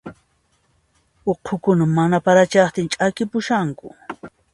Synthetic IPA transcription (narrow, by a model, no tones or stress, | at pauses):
oqʰokʊnamːanapaɾat͡ʃɑχt̪ɪnt͡ʃʼakɪpʊʃaŋkʊ